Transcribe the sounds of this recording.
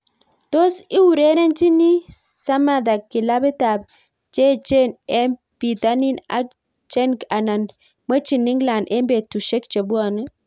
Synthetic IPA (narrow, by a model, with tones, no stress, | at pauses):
to˦si˦wu˨ɾe˦nɛ˦nt͡ʃi˦ni˦ | sa˦ma˨da˨kːɪ˨la˦bɪ˦ta˨b̚ | t͡ʃɛ˦t͡ʃe˦nɛ˦m | pi˨ta˦ni˦na̰˦k | t͡ʃɛ˦nka˨na˨n | mə˦t͡ʃi˨nɪ˦ŋɡla˨nʔɛ˦mbe˨tu˨ʃe˦kt͡ʃe˨bu˦a˦˨n˦